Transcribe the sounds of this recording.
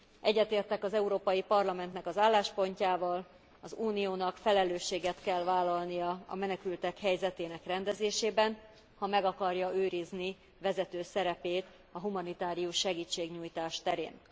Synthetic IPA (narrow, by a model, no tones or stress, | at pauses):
ʔɛɟːɛt̪eːrt̪ɛkɒzɛuɾoːpɒjipɒrlɒmɛnt̪nɛkɒzaːlːaːʃpo̞ɲcaːvɒl | ɒzuːnijoːnɒkfɛlɛløːʃːeːɡɛt̪kɛlvaːlːɒlnijɒɒ̰mɛnɛkylt̪ɛkhɛjzɛt̪eːnɛkrɛnd̪ɛzeːʃeːbɛn | hɒmɛɡɒkɒrjɒøːɾizni | vɛzɛt̪øːsɛɾɛpeːt̪ | ɒɦumɒnit̪aːɾijuʃːɛɡiːt͡ʃːeːɡɲuːjt̪aːʃt̪ɛɾḛːn